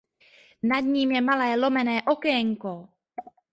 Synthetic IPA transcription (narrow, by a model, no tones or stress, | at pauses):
nadɲiːmjɛmalɛːlo̞mɛnɛːʔokɛɛŋko